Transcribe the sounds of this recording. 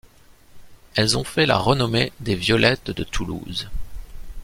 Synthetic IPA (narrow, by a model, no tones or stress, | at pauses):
ɛlzɔ̃fɛla̰ʁənɔmed̪evjɔlʔɛt̪d̪ət̪ʰulṵz